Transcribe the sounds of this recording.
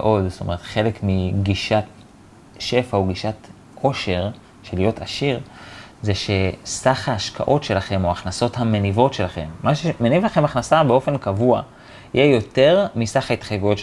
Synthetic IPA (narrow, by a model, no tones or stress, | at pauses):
ʔo̞dst̪ome̞ʁet̪χe̞le̞kmiɡiʃat | ʃe̞fauɡiʃat | kʰo̞ʃe̞ʁ | ʃe̞lijo̞taʃiʁzeʃe̞saχhaːʃkʰa̰ʔo̞tʃe̞laχe̞mo̞aχnaso̞thamenivo̞tʃe̞laχe̞̰mːaʃemenivlaχe̞maχnasabeo̞fe̞nkavua | ijejo̞te̞ʁmisaχait̪χajɡujo̞t